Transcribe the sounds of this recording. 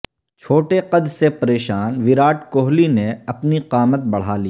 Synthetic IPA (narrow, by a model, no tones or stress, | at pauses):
t͡ʃʰoːʈeqɐd̪ɾsepɐɾeːʃaːnʋɪɾaːʈkoːɦlineɐpniqaːmət̪̚bɐɽ̤aːliː